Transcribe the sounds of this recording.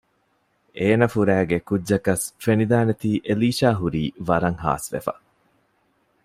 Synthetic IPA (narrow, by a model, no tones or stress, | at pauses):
eːnɐfuɾæːɡekudʒɐkɐsfenid̪aːnet̪iːʔeliːʃaːɦuɾiːʋɐɾɐŋɦa̰ːsʋḛfɐ̥̰